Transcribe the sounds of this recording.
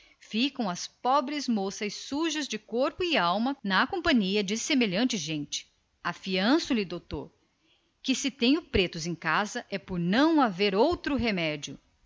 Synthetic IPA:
fikɐ̃w̃ɐspɔbɾɪzmosɐssuʒɐzd͡ʒɪkoɾpʊɪawmɐnɐkõpɐ̃ɲiɐd͡ʒɪsemeʎɐ̃nt͡ʃɪʒẽnt͡ʃɪ̥ | ɐfiɐ̃sʊlɪd̪owt̪o̰ɾ | kɪsɪt̪ẽj̃ʊpɾet̪ʊzẽj̃kazɐʔɛpoɾnɐ̃w̃aveɾowt̪ɾʊɦemɛd͡ʒiʊ

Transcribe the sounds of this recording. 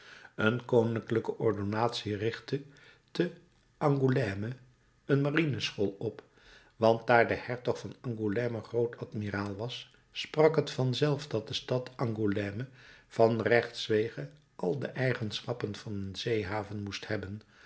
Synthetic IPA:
ənkownɪŋkləkəʔɔɹdonaːtsirɪχtə | tə | ɑŋɡulɛmə | ənmarinəsχolˠɔp | ʋɑnt̚daːɹdəhɛɹtɔχfɑnɑŋɡulɛməχrowtʰɑtmiraːlˠʋɑsː | prɑkɦətfɑnzɛlˠfdɑt̚dəstɑtɑŋɡulɛːməv̥ɑnrɛχtsʋejχə | ʔɑlˠdə̰ʔɛjχənsχɑpənv̥ɑnənzejɦaːvənmusthɛbən

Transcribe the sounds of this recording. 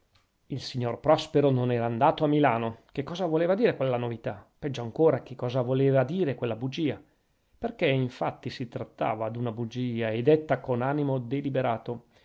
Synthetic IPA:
ilsiɲːorpɾɔspeɾononɛːɾaːnd̪aːt̪oamːilaːnok̟ekːɔːzavoleːvad̪iːɾekwelːanovit̪apɛd͡ʒːoaŋkoːɾak̟ekːɔːzavoleːvad̪iːɾekwelːabud͡ʒiːa | perkeiɱfat̪ːisit̪ɾat̪ːa̰ːvad̪unabud͡ʒiːaed̪et̪ːakonanimod̪elibeɾaːt̪o

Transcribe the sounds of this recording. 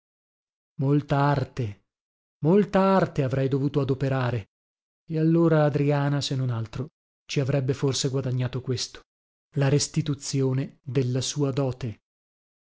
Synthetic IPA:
molt̪aart̪e | molt̪aart̪eavɾɛjd̪ovuːt̪oad̪opeɾaːɾe | ealːoːɾaːd̪ɾiaːnasenːonalt̪ɾo | t͡ʃiavɾɛbːeforseɡwad̪aɲːaːt̪okwest̪o̥ | laɾest̪it̪ut̪sjoːned̪elːasuːad̪ɔːt̪e

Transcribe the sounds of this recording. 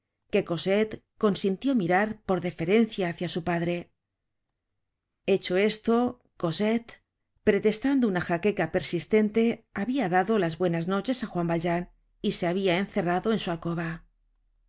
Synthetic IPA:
ke̞ko̞se̞t̪ko̞nsint̪jo̞miɾaɾpo̞ɾðefe̞ɾe̞nθjaːθjasupaðɾe̞ | e̞t͡ʃo̞e̞st̪o̞ | ko̞set̪ | pɾe̞t̪e̞st̪and̪ounaxake̞kape̞ɾsist̪e̞nt̪e̞aβiaðaðo̞lazβwe̞nazno̞t͡ʃe̞saxwambald͡ʒan | ise̞aβiaenθe̞raðo̞e̞nsualko̞β̞a

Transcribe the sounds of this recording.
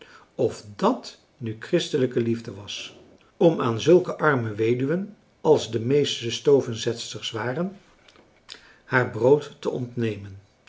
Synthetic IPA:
ɔfdɑt | nykrɪstələkəlivdəʋɑs | ɔmaːnzɵlˠkəʔɑɹməʋejdyʋən | ɑlˠzdəmejstəstowvənzɛtstəɹsʋaːrən | haːɹbrowtːəʔɔ̰ntnejmən

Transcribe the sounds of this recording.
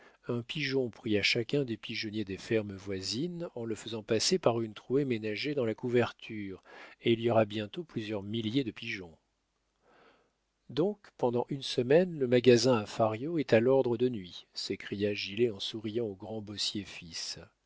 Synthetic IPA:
ɛ̃piʒɔ̃pχiaʃakʲɛ̃d̪epiʒɔnjed̪efɛʁməvwazinɑ̃ləfəzɑ̃pasepaʁynt̪χuemenaʒed̪ɑ̃lakuvɛʁt̪ʰyʁeiliɔʁabjɛ̃t̪oplyzjœʁmiljed̪əpiʒɔ̃ | d̪ɔ̃kpɑ̃d̪ɑ̃ʔynsəmɛnləmaɡazɛ̃afaʁjoɛt̪alɔʁd̪ʁəd̪ənɥisekχijaʒileɑ̃suʁijɑ̃oɡʁɑ̃bɔsjefis

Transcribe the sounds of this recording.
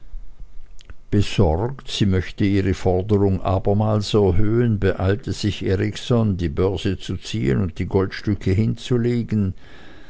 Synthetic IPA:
b̥əz̥ɔʁktz̥iːmœçtəiːʁəfɔʁdəʁʊŋʔa̰ːbɐmaːlsɛɐɦøːənbəʔaɪltʰəz̥ɪçʔeːʁɪçsɔndiːbœɐzət͡sut͡siːə̰nʊnt̚d̥iːɡɔltʃtʏkʰəɦɪnt͡suleːɡn̩

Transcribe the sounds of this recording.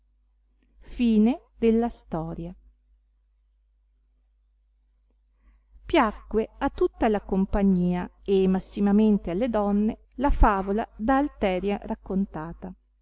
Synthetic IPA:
fiːned̪elːast̪ɔːɾja | pjakːweat̪ːut̪ːalakompaɲːiːaemːasːimament̪ealːed̪ɔnːe | lafaːvolad̪aːlt̪ɛːɾjarakːont̪aːt̪a

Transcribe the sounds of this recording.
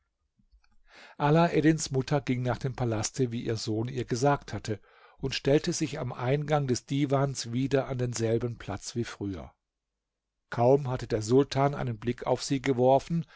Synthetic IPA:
ʔalaʔɛdɪnsmʊtʰɐɡɪŋnaːχd̥eːmpʰalastʰəviːʔiːɐzoːnḭːɐɡəzaːk̚thatʰə | ʊntʃtɛltəzɪça̰mʔaɪnɡaŋdɛsd̥iːvaːnsv̥iːdɐʔandeːnzɛlbənpʰl̥a̰t͡sv̥iːfʁ̥yːɐ̰ | kʰaʊmɦatədeːɐzʊltʰaːnʔa̰ɪnənblɪkʰa̰ʊfz̥iːɡəvɔɐfn̩

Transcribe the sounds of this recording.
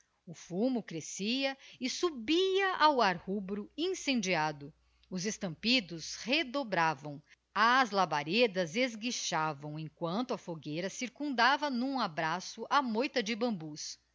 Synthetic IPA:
ʊfumʊkɾesiɐɪsubiɐʔawaɾhubɾʊẽsẽnd͡ʒiad̪ʊ | ʊzest̪ɐ̃mpid̪ʊshed̪obɾavɐ̃w̃ | ɐzlabaɾed̪ɐzezɡiʃavɐ̃w̃ẽkwɐ̃nt̪ʊɐfoɡejɾɐsiɾkũnd̪avɐnũabɾasʊʔamojt̪ɐd͡ʒɪbɐ̃mbus

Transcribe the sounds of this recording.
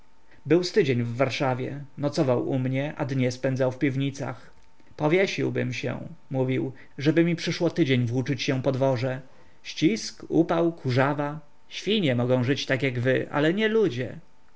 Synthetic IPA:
bɘwst̪ɘd͡ʑeɲvːaɾʂavʲjɛ̰nɔt̪sɔvawumɲɛʔa̰d̪ɲɛspɛnd̪zawfpʲivɲit̪sa̰x | pɔvʲjeɕiwbɘ̰mɕɛ̰muvʲiw | ʐɛbɘmʲipʂɘʂwɔt̪ɘd͡ʑeɲvwut͡ʂɘt͡ɕɕɛpɔd̪vɔʐɛ | ɕt͡ɕiskupawkʰuʐava | ɕfʲiɲɛmɔɡɔ̃w̃ʐɘt͡ɕt̪akjaɡvɘʔa̰lɛɲɛlud͡ʑɛ̰

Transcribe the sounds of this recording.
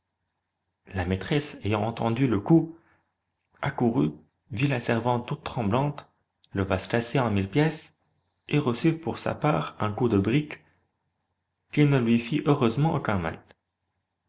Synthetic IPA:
lamet̪χɛsejɑ̃ɑ̃t̪ɑ̃d̪yləku | akuʁy | vilasɛʁvɑ̃t̪̚t̪ːut̪ːχɑ̃blɑ̃t̪ | ləvaskaseɑ̃milpjɛs | eʁəsypuʁsa̰paːʁɛ̃kud̪əbʁik | kilnəlɥifiʔøʁøzmɑ̃ʔo̰kʲɛ̃ma̰l

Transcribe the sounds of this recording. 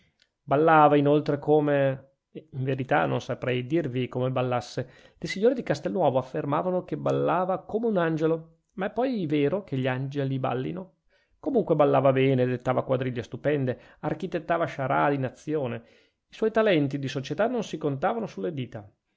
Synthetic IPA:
balːaːvainolt̪ɾekʰoːme | iɱveɾit̪a̰no̰nsapɾɛjd̪irvikomebalːasːe | lesiɲːoːɾed̪ikast̪elnwɔːvoafːermaːvanokebalːaːvakoːmeunand͡ʒelo | maɛpːɔjveːɾokeʎand͡ʒeliba̰lːḭno | komuŋkwebalːaːvabɛːned̪et̪ːaːvakwad̪ɾiʎːast̪upɛnd̪e | arkit̪et̪ːaːvaʃaɾa̰d̪inat̪sːjoːne | iswɔjt̪alɛnt̪id̪isot͡ʃet̪anːonsikont̪aːvanosulːed̪iːt̪a

